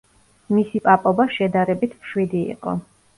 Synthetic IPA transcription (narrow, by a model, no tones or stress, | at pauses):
misipʼapʼɔbaʃɛd̪aɾɛbit̪ʰmʃwid̪ḭːqʼɔ̰